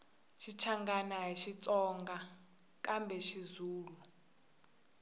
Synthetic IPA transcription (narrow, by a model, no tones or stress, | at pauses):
ʃʰit͡ʃʰaŋɡanaɦiʃit͡sʼɔŋɡa | kʼambʱɛʃizuːlu